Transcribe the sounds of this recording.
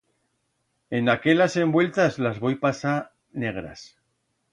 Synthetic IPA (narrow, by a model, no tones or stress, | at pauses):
e̞nake̞ʎase̞mbwe̞lt̪azlazβo̞jpasa | ne̞ɣ̞ɾa̰s